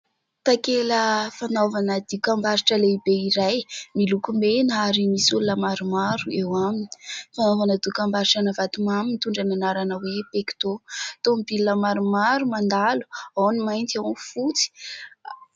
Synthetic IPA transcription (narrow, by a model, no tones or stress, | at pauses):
t̪akeləfanovanəd̪ikambaɾiʈ͡ʂəleibeiɾajmilukumenaɾimisulnəmaɾumaɾuewamini̥fanovanəd̪iukambaɾiʈ͡ʂanavat̪umaminit̪uɳɖ͡ʐananaɾanəwepeki̥t̪ot̪omibilːəmaɾumaɾumand̪alu̥awnimajnt̪iawnfut͡si̥